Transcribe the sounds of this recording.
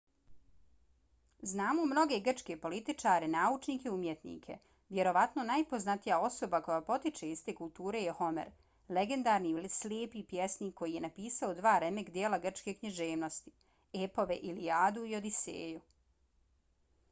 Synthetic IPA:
znaːmomno̞ɡe̞ɡr̩t͡ʃke̞po̞lit̪it͡ʃaːɾenaːut͡ʃniːkeumjet̪nḭːkʰe̞̰ | ʋje̞ɾo̞ʋat̪nonajpo̞znat̪ijao̞so̞bako̞japo̞t̪it͡ʃeist̪e̞ːkulˠt̪uːɾe̞jeho̞mḛɾ | le̞ɡe̞nd̪aːɾniilisljeːpipjesniːkːo̞jije̞napiːsaod̪ʋaːɾe̞mekd̪jeːlaɡr̩t͡ʃke̞kɲiʒeːʋno̞st̪i̥ | epo̞ʋe̞ʔilijaːd̪uio̞d̪isḛːju

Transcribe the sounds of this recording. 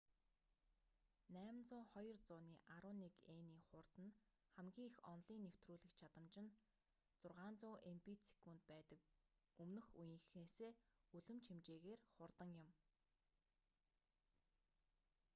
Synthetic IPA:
næːmnt͡sʊːχɔjɞ̆rt͡sʊːniːʔaɾʊːnikeːniːχʊrt̪ə̆n | χæmɡʲiːŋixɔ̰nɮiːnːew̥t̪ruːɮɘ̆kt͡ɕʰat̪ə̆mt͡ɕɪ̆n | t͡sʊrʁaːnt͡sʊːʔempit͡sʰi̥kuːnt̪̚pæːt̪ə̆k | ɵmnɵ̆xujɪ̆ŋxneːseːuɮɵ̆mt͡ɕʰimt͡ɕeːɣeːrχʊrt̪ə̆ŋjʊm

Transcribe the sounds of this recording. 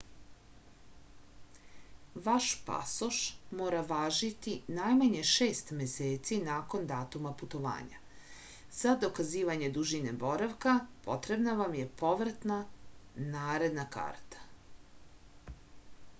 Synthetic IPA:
ʋaʃpa̰soʃmoːɾaʋaːʒit̪inajmaɲe̞ʃeːst̪meseːt̪sinaːko̞nd̪aːt̪umaput̪o̞ʋa̰ːɲa̰ | z̥ad̪o̞kaziːʋaɲe̞d̪uʒine̞bo̞ɾaʋkapo̞̰t̪ɾe̞bnaʋamje̞po̞ʋɾat̪nanaːɾe̞d̪naka̰ːɾt̪ḁ

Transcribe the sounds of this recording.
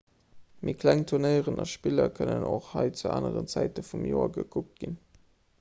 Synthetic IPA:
mʔiːɐkʰlæŋtʰuɐnəɪəʁənʔɑʃpilɐkʰənənʔoχhɑɪt͡suʔaːnəʁənt͡sæɪtəfumjoːɐɡəkʰuk̚t̚ɡ̥in

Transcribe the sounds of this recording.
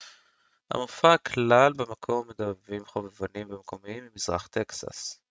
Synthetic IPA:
ha̰mofakʰlalbemakʰo̞mːed̪avimχovevanimbemko̞miimːimizʁa̰χt̪eksa̰s

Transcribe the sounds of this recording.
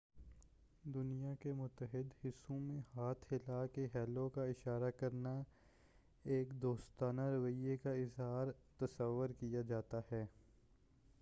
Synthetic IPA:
d̪ʊnijakemʊt̪ːəɦɪd̪hɪsːũmẽhaːt̪ʰhɪlaːkeɦɛːlõkaɪʃaːɾakɐɾna | eːkd̪oːst̪aːnaɾɐʋəiekaɪzɦaːɾt̪ɐsəʋːʊɾkijad͡ʒaːt̪ahɛː

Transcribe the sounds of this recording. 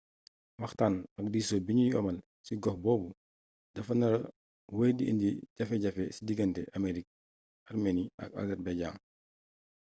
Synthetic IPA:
wɐxtanɐk̚diːsoːbiɲujɔ̰ːmɐl | siɡɔxbɔːbu | dɐfɐnɐɾ | wəjdiʔḭndiɟɐfɛɟɐfɛsidiɡɐntɛʔameɾik̚ | aɾmeniʔɐ̰ka̰ɡɐɾbɛɟa̰ːŋ

